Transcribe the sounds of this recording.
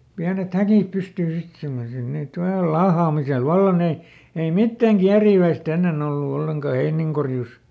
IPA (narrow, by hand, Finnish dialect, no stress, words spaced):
piænet hækiˑp pystyː sit simːosil niːt ʋɑl lɑːhɑːmisel ʋɑlːɑ ne ei mitːæŋ kiæriːʋæist enːen olːu olːeŋkɑ heiniŋkorjus